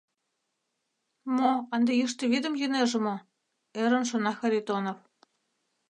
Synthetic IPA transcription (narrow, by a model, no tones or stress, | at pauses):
moɑnd̪ejiʃt̪ĕβid̪ə̆mjeneʒɘ̆mo | eɾə̆nʃonɑxɑɾʲit̪onof